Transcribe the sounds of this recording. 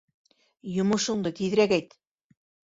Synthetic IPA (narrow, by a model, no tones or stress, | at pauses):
jŏmŏʃŏɴd̪ɤt̪ið̆ɾækæjt̪